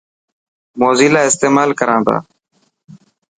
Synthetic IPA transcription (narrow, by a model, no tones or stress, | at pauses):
moːziːlaːɪst̪eːmaːlkəɾãːnd̪a̰ː